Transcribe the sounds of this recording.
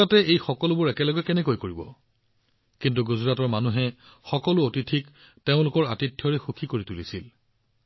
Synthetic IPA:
atɛʔejxɔkɔlʊbʊɹɛkɛlɔɡɛkɛnɛkojkoɹibɔ̰ | kint̬uɡuzɹatɔɹmanuɦɛ | xɔkɔlʊotitʰik | teʊ̃lʊkɔɹatitʰːjɔɹɛxukʰikoɹitulisil

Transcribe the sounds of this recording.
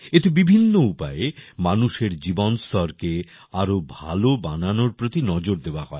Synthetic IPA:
et̪ebibʱinːoupaemanuʃeɾd͡ʑibonst̪ʰɔɾke | aɾobʱa̰loba̰nanoɾpɾot̪inɔd͡ʑoɾd̪eoahɔe

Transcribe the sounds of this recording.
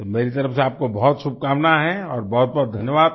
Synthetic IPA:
t̪omeːɾit̪ɐɾəfseaːp̚kobɔɦt̪ʃʊb̚kaːmnaɦɛɔːɾbɔɦʊt̪̚bɔɦːt̪d̪ʱɐnjəʋaːd̪

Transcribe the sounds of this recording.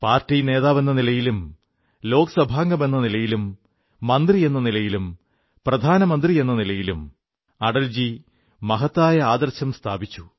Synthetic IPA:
paːrtine̞ːðaːʋe̞nːɐnilɐjilum | lo̞ːkɐsɐbʱaːŋɡɐme̞nːɐnilɐjilumː | ɐnd̪rije̞nːɐnilɐjilum | prɐd̪ʱaːnɐmɐnd̪rije̞nːɐnilɐjilum | ɐɽɐld͡ʑi | mɐɦɐt̪ːaːjɐaːd̪ɐrɕɐmst̪ʰaːbit͡ɕːu̥

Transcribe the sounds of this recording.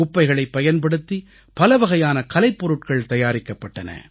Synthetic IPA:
ʊpːɐɪɣɐɭɐɪpːɐjɐnpɐɽɯt̪ːi | pɐlɐʋɐɣɐjaːnɐkɐlɐɪpːɔɾɯʈkɐɭt̪ɐjaːɾɪkːɐpːɐʈːɐnɐ̰

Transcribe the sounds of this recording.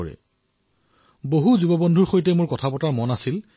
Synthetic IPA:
ɔɹɛ̰ | boɦuzubɔbɔndʱuɹxoɹitɛmʊɹkɔtʰapɔtaɹmɔnasil

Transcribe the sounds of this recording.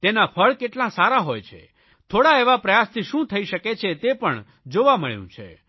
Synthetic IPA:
t̪enapʰəɭkeʈlãsaɾaɦojt͡ʃʰḛ | t̪ʰoɽaeʋapɾəjast̪ʰiʃũt̪ʰəiʃəket͡ʃʰet̪epəɳ | d͡ʒoʋaməɭjṵ̃t͡ʃʰḛ

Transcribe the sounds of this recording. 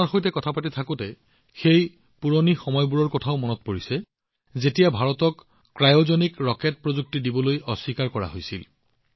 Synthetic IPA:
aɹxojtɛkɔtʰapatitʰakʊtɛ | xej | puɹonixɔmɔjbuɹɔɹkɔtʰaʊmɔnɔtpoɹisɛ | zetijabʱaɹɔtɔkː | ɹajozɔnikɹɔket̚pɹozuk̚tidibɔlojɔsːikaɹkɔɹa̰ɦojsil

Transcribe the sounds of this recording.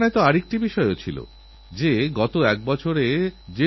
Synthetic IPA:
net̪oaɾek̚ʈibiʃɔeot͡ɕʰilo̰ | d͡ʑeɡɔt̪oɛk̚bɔt͡ɕʰoɾed͡ʑe

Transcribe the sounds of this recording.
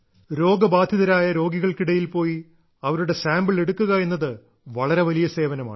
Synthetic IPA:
ɾo̞ːɡɐbaːd̪ʱjɐðɐɾaːjɐɾo̞ːɡiɣɐɭkiɽɐjilpo̞ːji | ɐʋɐɾuɽe̞saːmbɨɭe̞ɽukːuɣɐe̞nːɐðɨ | ʋɐɭɐɾe̞ʋɐlijɐse̞ːʋɐnɐma̰ːɳɨ

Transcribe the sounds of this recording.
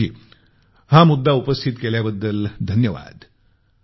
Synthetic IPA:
iː | hãmud̪ːaupəst̪ʰit̪keljabəd̪ːəld̪ʱənjəʋa̰d̪

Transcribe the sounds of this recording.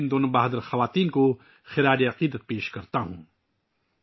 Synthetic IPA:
nd̪oːnobaːɦd̪əɾxɐʋaːt̪iːnko | xɪɾaːɾiɐqiːd̪ət̪̚peːʃkɐɾt̪aɦũː

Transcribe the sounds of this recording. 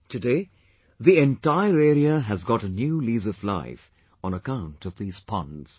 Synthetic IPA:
tʰɨdeɪ | ðiɛ̃ntaɪəɹɛːɹiəɨzɡɑɾənjulizəfla̰ɪf | ə̃nəkãʊ̃ntʰʌvðiːz̥pʰʌ̰̃nz̥

